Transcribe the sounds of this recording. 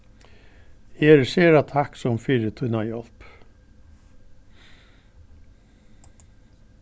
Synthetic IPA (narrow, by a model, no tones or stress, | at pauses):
jeːɾseːɾat̪ʰaksɔmfiːɾət̪ʰʉnajɔlp